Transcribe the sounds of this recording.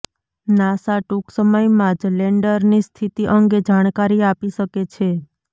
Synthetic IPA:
nasaʈuksəməjmãd͡ʒleɳɖəɾnist̪ʰit̪iʔəŋɡed͡ʒaɽ̃kaɾiapiʃəket͡ʃʰe

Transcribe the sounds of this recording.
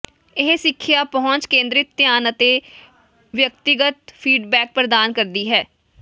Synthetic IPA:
ɪɦsɪkʰːjaːpəɦʊ̃nt͡ʃkẽːnd̪ɾɪt̪ːjaːnət̪eː | ʋjək̚t̪ɪɡət̪pʰiːɖbɛːk̚pɾəd̪aːnkəɾd̪iːɦɛː

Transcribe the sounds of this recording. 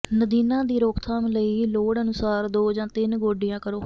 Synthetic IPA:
nəd̪iːnãːd̪iːɾoːkʰt̪ʰaːmləiːloːɽənʊsaːɾd̪oːd͡ʒãːt̪ɪnɡoːɖijãːkəɾoː

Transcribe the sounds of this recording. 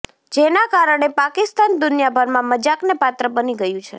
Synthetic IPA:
d͡ʒenakaɾəɳ̃epakɪst̪and̪ʊnjabʱəɾmãməd͡ʒaknepat̪ɾəbəniɡəjũt͡ʃʰe

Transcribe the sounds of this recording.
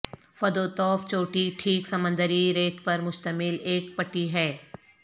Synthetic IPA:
fɐd̪oːt̪ɔːft͡ʃoːʈiʈʰiːksɐmə̃nd̪əɾiɾeːkpɐɾmʊʃt̪əmɪleːkpɐʈːiɦɛː

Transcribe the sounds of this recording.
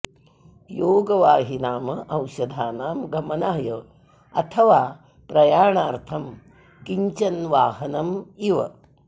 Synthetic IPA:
joːɡɐʋaːɦinaːmɐʔɐwʃɐd̪ʱaːnaːmɡɐmɐnaːjɐ | ɐt̪ʰɐʋaː | pɾɐjaːɳaːɾt̪ʰɐm | kiɲt͡ʃɐnʋaːɦɐnɐmiʋɐ̰

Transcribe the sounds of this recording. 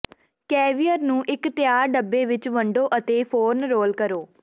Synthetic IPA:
kɛːʋijəɾnũːʔɪkt̪ɪjaːɾɖəbːeːʋɪt͡ʃʋəɳɖoːʔət̪eːpʰoːɾnɾoːlkəɾoː

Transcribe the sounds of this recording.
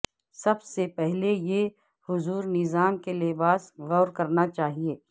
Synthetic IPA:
sɐbsepɛɦleje | hʊzuːɾnɪzaːmkeleːbaːsɣɔːɾkɐɾnat͡ʃaːɦieː

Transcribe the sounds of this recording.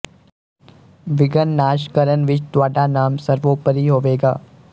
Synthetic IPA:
ʋɪɡənːaːʃkəɾənʋɪt͡ʃt̪ʋaːɖanaːmsəɾʋoːpəɾiːɦoːʋeːɡa̰ː

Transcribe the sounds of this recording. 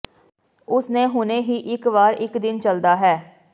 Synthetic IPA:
ʊsneːɦʊneːɦiːʔɪkʋaːɾɪkd̪ɪnt͡ʃəld̪aːɦɛː

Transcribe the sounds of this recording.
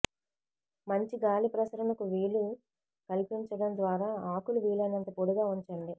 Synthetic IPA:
mɐɲt͡ʃiɡaːlipɾɐsɐɾɐnɐkuʋiːɭi | kɐlipiɲt͡ʃɐɽɐnd̪ʋaːɾaːaːkuluʋiːɭɐnɐnt̪ɐpoɽuɡaːuɲt͡ʃɐɳɖi

